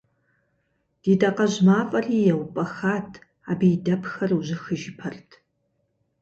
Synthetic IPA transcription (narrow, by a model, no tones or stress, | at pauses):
d̥itʼɐqɐʑmaːfʼɐriːjɛwpʼɐxaːtʰ | aːbijdɐpxɐrwuʑɪxɨʒɪpʰɐrtʰ